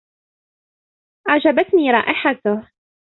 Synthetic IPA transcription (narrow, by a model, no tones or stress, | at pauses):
ʔaʕd͡ʒabat̪niːɾˤɑ̰ːʔɪħat̪a